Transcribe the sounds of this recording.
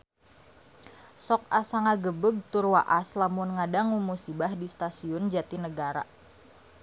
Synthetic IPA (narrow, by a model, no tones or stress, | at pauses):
sɔk̚asaŋaɡəbəɡ̚t̪ʊrwaʔaslamʊnŋadaŋumusibahdist̪asiʊnd͡ʒat̪inəɡaɾa̰